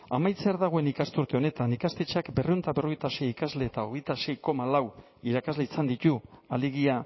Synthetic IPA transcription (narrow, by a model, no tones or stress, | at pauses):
amajt͡seaɾðaɣ̞o̞e̞nikast̪uɾt̪e̞o̞ne̞t̪anikast̪e̞t͡ʃakbe̞reunt̪aβe̞roe̞jt̪ase̞jikazle̞ːt̪aoɣ̞e̞jt̪ase̞jko̞malaw | iɾakazle̞isand̪it̪ualiɣia